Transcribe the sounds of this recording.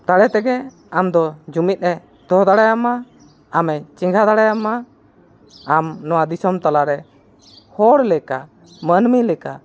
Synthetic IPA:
t̪aɽɛt̪ɛɡɛ | amd̪ɔd͡ʒumit̪̚ˀɾɛ | d̪ɔɦd̪aɽajamaː | mɛt͡ʃiŋɡʱad̪aɽajama | amnɔwad̪isɔmt̪alaɾɛ | hɔɽlɛka | mənmilɛka̰

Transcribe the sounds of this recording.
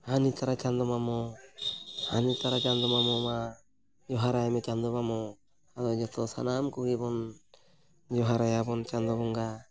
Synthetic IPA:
hanit̪aɾat͡ʃand̪ɔmamɔ | ha̰nit̪aɾat͡ʃand̪ɔmamɔma | jɔɦaɾajmɛt͡ʃand̪ɔbamɔ | ad̪ɔd͡ʒɔt̪ɔsa̰namkuɡibɔn | d͡ʒɔɦaɾajabɔnt͡ʃand̪ɔbɔŋɡa

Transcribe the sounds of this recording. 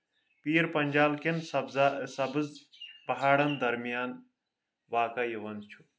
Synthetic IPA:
piːɾpɐɲʲd͡ʒaːlkensɐbzasɐbzpɐɦaːɽɐnd̪ɐɾmijaːn | ʋaːkɐjiʋɐnt͡ʃʰu̥

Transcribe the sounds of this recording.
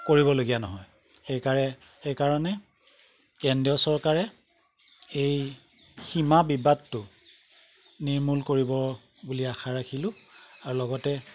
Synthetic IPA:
koɹiβɔloɡijanɔɦɔj | xejkaɹɛ | xejkaɹɔnɛ | kɛndiɔsɔɹkaɹɛ | ej | ximabibadtːʊ | niɹmulkoɹibɔ | buliaxʰaɹakʰilʊ̃aɹulɔɡɔtɛ

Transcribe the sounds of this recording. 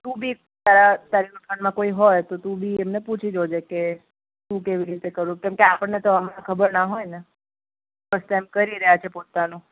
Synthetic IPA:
t̪ũbʱi | t̪aɾat̪aɾinuʈʰəɳmãkoiɦojt̪ot̪ũbʱiemneput͡ʃʰid͡ʒod͡ʒeke | t̪ũkeʋiɾit̪ekəɾũkɛmkeapəɳːet̪oəmanakʰəbəɾnaɦojne | bəst̪emkəɾiɾəɦjat͡ʃʰepot̪anũ

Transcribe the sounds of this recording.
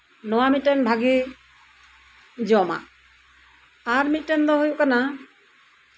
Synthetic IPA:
nɔwamit̪̚ɾɛnbʱaɡi | d͡ʒɔma̰ʔ | aɾmit̪̚ʈɛnd̪ɔɦujuʔkana

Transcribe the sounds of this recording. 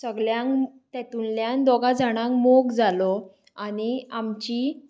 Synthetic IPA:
səɡɭjãŋkt̪ɛt̪unljãnd̪ɔɡad͡zaɽ̃ãŋkmokd͡zalɔ | aɽiamt͡ɕi

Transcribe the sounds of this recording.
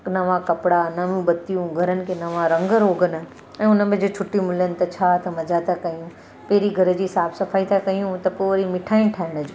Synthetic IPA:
nɐʋãkɐpɽanɐʋũbɐt̪ijũɡʱɐɾənɪ̆kʰenɐʋãɾɐ̃ŋɡəɾoːɡənə̆ | ɛ̃ːʊnə̆bɪ̃d͡ʑot͡ɕʰʊʈimʊlənɪ̆t̪ɐt͡ɕʰaːt̪ɐmɐd͡ʑat̪ʰakɐijũ | peːɾiɡʱɐɾə̆d͡ʑiːsaːbsɐfʰaːit̪ʰakɐijũt̪ɐpoɾimɪʈʰaːɪnʈʰaːɦɪɽ̃əd͡ʑoː

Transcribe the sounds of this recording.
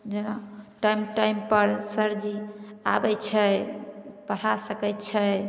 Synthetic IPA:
d͡ʒenaʈajmʈajmpəɾsəɾd͡ʒiabɛjt͡ʃʰɛ | pəɾ̤ʰasəkɛt͡ʃʰɛ

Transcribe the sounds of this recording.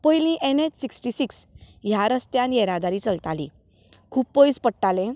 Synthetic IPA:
pəjlĩʔenet͡ɕsiksʈisiks | jaɾəst̪jãnjeɾad̪aɾiːt͡səlt̪alḭ | kʰuːpːpəjspəɽʈalẽ

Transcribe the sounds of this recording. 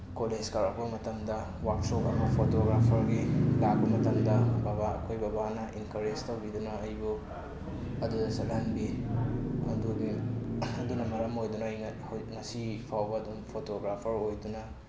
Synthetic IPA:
koled͡ʒkaɾak̚bɐmɐtɐmdɐ | wak̚sokɐ̰mɐpʰotoɡɾapʰɐɾɡilak̚bɐmɐtɐmdɐbaβaɐ̰kʰojbɐbanɐʔinkɐɾestɐwbidunɐɐjbu | ɐdudɐsɐlɦanbi | ɐ̰dubiɐdunɐmɐɾɐmojdunɐj | ŋɐsipʰawbɐːdumpʰotoɡɾapʰɐɾojdunɐ

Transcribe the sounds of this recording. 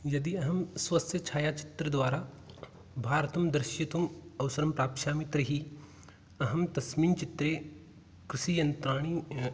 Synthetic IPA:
jɐd̪iɐɦɐmswɐsʰjɐt͡ʃʰaːjaːt͡ʃɪ̥t̪ɾəd̪ʋaːɾa | bʱaːɾt̪ɐmd̪ɾɪʃjɐt̪umɐwsɐɾɐmpɾaːpʃaːmit̪ɾɐɦi | ɐɦɐmt̪ɐsmiːnt͡ʃit̪ɾeː | kɾɪʃiːjɐnt̪ɾaːɽ̃i

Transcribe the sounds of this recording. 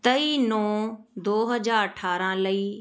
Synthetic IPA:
t̪ɐiːnɔːd̪oːɦəd͡ʒaːɾəʈʰaːɾãːləiː

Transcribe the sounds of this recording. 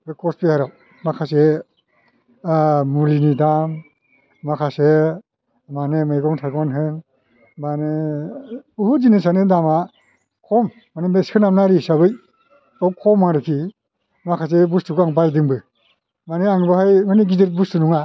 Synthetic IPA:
ɡɯkɔspehaɾaw | makʰas̬e | mulinidam | makʰase | manemajɡɔŋtʰajɡwanɦɯm | mane | uhuzinesanɯdama | kʰɔm | manemeskʰɯnamnaɾisabɯj | awkʰɔmːaŋɾɯkʰi | makʰas̬ebustuɡaŋbajdɯŋbɯ | maneaŋbɯɦajmaneɡizeɾ̚bustunuŋa

